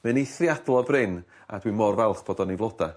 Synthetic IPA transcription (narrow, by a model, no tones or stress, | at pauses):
mɛniθrjadl̩ˠɔbrɪn | a̰dwimɔrvɛlˠχb̥oːdɔnivlˠɔda